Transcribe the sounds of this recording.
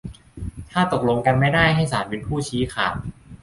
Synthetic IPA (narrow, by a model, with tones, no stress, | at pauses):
t̪ʰaː˥˩t̪o˨˩k̚lo˧ŋka˧nma˥˩jdaː˥˩jɦa˥˩js̬aː˩˦n̚we˧npʰuː˥˩t͡ɕʰiː˦˥kʰaː˨˩w̚